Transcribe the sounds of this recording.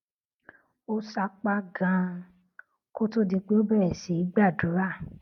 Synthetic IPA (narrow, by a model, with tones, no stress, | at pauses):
o˦sa˧˦k͡pa˦ɡã˧ | ko˦to˦di˧k͡pe˦o˦bɛ˦˨ɛ˨si˨˦i˦ɡ͡ba˦˨du˨˦ɾa˦˨